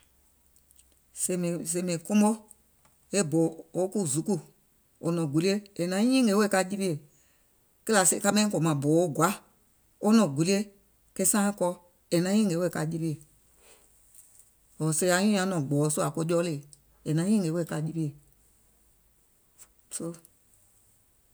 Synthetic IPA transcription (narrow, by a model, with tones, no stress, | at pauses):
se˨m˨se˨mĩ˨kũ˦mo˦ | e˦bo˨o˦ku˦zu˨˦ku˦ | o˨nɔ̃˨ɡu˨li˦e˦e˨nã˨˦ɲĩ˦ŋe˨˦we˦˨ka˧˨d͡ʒi˦pi˦e˨ | ke˦la˨sḛ˨ka˦mɛ̃˦kɔ˨mã˨boː˨o˦ɡʷa˨˦ | o˦nɔ̃˨ɡu˨li˦e˦ | ke˦sãː˦kɔ˧˦ | e˨nã˨˦ɲĩː˦ŋe˨˦we˦˨ka˧˨d͡ʒi˦pi˦e˨ | o˨se˧˦a˨˦ɲũ˦ã˨˦nɔ̃˨ɡ͡bɔː˨˦so˦a˨ko˧˦d͡ʒɔː˦leː˨ | e˨nã˨˦ɲĩː˦ŋe˨˦we˧˦˨ka˧˨d͡ʒi˦pi˦e˨ | so˧